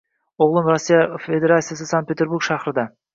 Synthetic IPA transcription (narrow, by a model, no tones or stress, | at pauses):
oʁlˠəmrosʲːijafe̞d̪e̞ɾat̪sijas̬əsaŋt̪̚pet̪eɾbuɾkʃɑqɾəd̪ɑ